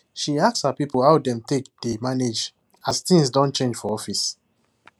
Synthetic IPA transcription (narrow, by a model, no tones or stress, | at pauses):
ʃiakshapipəl̩hawdɛ̃mtek̚d̥emaned͡ʒ | ast̪ĩŋsdɔ̃n̚t͡ʃẽnd͡ʒfɔɔfis